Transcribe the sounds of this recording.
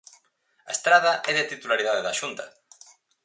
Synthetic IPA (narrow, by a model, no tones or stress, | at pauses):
ɐest̪ɾaðɐʔɛðeat̪it̪ulaɾiðaðeðaʃunt̪ɐ